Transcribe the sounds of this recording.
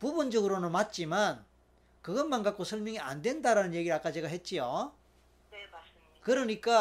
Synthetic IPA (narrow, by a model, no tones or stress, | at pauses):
pubund͡ʑʌɡɯɾonɯnmat̚t͡ɕ͈iman | kɯɡʌnmanɡak͈̚osʰʌɭmjʌŋia̰ndwe̞ndaɾanɯnje̞ɡiɾɯɭak͈at͡ɕe̞ɡaɦe̞t̚t͡ɕ͈ijo | kɯɾʌɲik͈a